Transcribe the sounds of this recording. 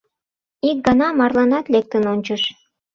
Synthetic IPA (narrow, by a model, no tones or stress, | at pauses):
ik̚ɡɑnɑmɑrlˠɑnɑt̪lek̚t̪ə̆nonʲt͡ɕə̆ʃ